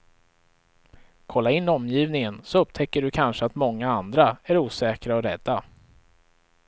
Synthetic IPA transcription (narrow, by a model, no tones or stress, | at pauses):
kʰɔlːaɪnːɔmːjiːvnɪŋənsɔɵpt̪ʰɛkːəɖɵkʰanʂəat̪mɔŋːaand̪ɾaæɾuːsɛːkɾaɔɾɛd̪ːa